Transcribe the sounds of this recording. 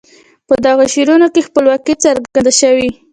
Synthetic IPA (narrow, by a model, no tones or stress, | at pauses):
pəd̪ɑɣaʃeɾunokexpəlwɑkit͡saɾɡand̪aʃəwi